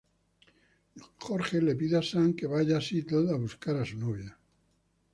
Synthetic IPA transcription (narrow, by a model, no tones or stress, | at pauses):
χoɾxelepiðasaŋkeβaʝasit̪oðaβuskaɾasunoβja